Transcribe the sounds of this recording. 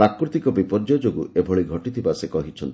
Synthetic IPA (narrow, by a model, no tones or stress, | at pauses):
ɾakɾut̪ikɔbipɔɾd͡ʒɔd͡ʒoɡuʔebʱɔɭiɡʱɔʈit̪ʰibasekɔɦit͡ʃʰɔnt̪i